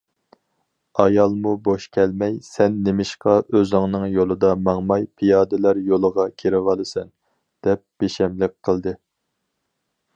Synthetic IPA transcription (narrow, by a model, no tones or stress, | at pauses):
ɑjɑlˠmuboʃkʲʰɛlmɛjsɛnːemɪʃqɑʔøzɪŋnɨŋjolˠɨd̪ɑmɑŋmɑjpʰijɑːd̪ɨlæɾjolˠəʁɑkʲʰeɾɪʁɑlˠɨsɛn | d̪̥ɛp̚b̥eʃɛmlɪk̚ʲqʰəlˠd̪ɨ